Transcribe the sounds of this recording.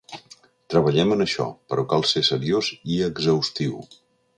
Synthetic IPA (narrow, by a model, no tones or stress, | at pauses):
t̪ɾəβəʎɛmənəʃɔ̰pəɾɔkalˠsesəɾioziəɡzəwst̪iw